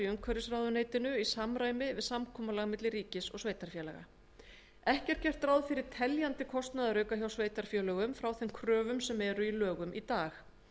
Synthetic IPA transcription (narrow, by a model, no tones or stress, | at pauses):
ʏmkʰvœɾɪsrawðʏneːjt̪ɪnʏisamɾaːjmɪvɪðsamkʰɔːmalaɣmɪt̪lɪriːcɪsɔ̰ɣsveːjt̪aɾ̥fjɛːlɛ̰ɣa̰ | ɛhcɛ̥t̪̚cɛr̥t̪ɾawðfɪɾɪɾ̥t̪ʰɛljant̪ɪkʰɔst̪naðaɾœːɥkaçjawsveːjt̪aɾ̥fjɛlœɣʏmfɾawθɛmkʰɾœːvʏmsɛmɛɾʏilœːɣʏmʔit̪aːx